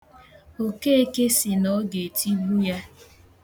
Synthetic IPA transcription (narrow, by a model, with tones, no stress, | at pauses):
o˨ke˦e˦ke˦si˨nɔ˦ɡe˨tʰi˦ɦu˦ja˦